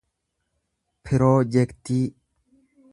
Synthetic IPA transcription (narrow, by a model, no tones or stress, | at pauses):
pʰiɾod͡ʒekt̪i